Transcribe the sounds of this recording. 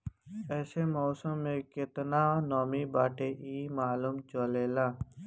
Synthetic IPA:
ɛːsemoːsəmːẽːkɪt̪naːnoːmiːbaːʈeʔiːmaːluːmt͡ʃoleːlaː

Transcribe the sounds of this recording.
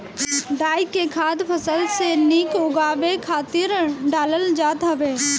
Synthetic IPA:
ɖaːɪkːekʰaːd̪pʰəsəlseniːkʊɡaːʋekʰaːt̪ɪɾɖaːləld͡ʒaːt̪ɦɐʋeː

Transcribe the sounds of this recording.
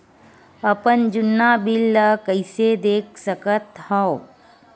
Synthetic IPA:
əpənd͡ʒʊnːaːbɪlːəkəɪsed̪eːk̚səkət̪hɔo

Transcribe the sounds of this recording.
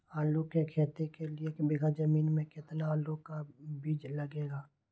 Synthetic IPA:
aːlukekʰeːt̪ekelɪebɪɡad͡ʒəmiːnmẽkɪt̪nalukabiːd͡ʒləɡeːɡaː

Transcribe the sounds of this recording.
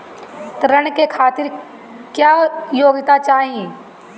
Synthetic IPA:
t̪ɾəɽkekʰaːt̪ɪɾ | kjaːjoːɡɪt̪at͡ʃaːɦie

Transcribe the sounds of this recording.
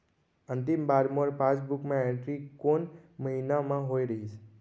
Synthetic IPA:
ənt̪imbaɾmoɾpãt͡ʃbukmãeʈɾikonməɦinamãɦoiɾəɦit͡ʃʰe̥

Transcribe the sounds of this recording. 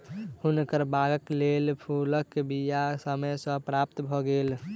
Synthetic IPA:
hunkəɾbaɡəklelpʰuləkːebijasəməjsə̃pɾapt̪bʱɔɡel

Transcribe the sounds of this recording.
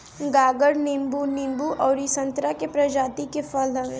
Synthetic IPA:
ɡaːɡəɽnɪmbunɪmbuʔɔːɾisɐ̃nt̪ɾakepɾɐd͡ʒaːt̪ikefɐlɐʋẽ

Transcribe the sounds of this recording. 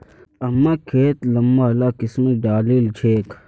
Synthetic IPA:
ɐmːakʰeːt̪lɐmːaɐlaːkɪsmɐɖaːliːlt͡ʃʰeːk

